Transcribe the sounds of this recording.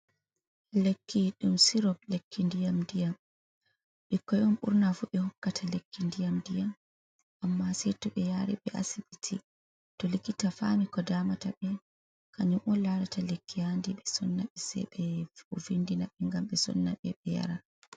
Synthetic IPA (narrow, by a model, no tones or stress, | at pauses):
lekʰːiɗumsiɾɔb̚lekːindijamdijam | ɓikːɔjɔmɓṵɾnafuɓɛhɔkːatʰalekːindijamdijam | ʔamːasɛjtɔɓɛjaɾiɓɛʔa̰sibitʰi | tɔlikːitafamikɔdaːmataɓɛ | kaɲumʔɔlaɾatalekːihandiɓɛsɔ̰nːaɓɛsɛ̰jɓɛuvindinaɓɛŋɡamɓɛsɔ̰nːaɓɛɓɛja̰ɾa